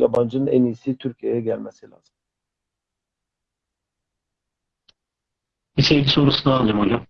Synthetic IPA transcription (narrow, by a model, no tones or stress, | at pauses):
a̰band͡ʒɯnɯnʔænijsit̪ʰyɾcʰijejɛɟælʲmɛsilʲa̰ːz̥ɯm | bisejd̪isoɾusɯnaːnːˠamaja